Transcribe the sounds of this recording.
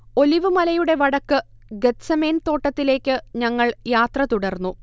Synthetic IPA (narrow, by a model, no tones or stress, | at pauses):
o̞liʋɨmɐlɐjuɽe̞ʋɐɽɐkːɨ | ɡet̪sɐmeːnt̪o̞ːʈːɐt̪ːile̞ːkʲːɨɲɐŋːɐɭjaːt̪rɐt̪uɽɐrnːu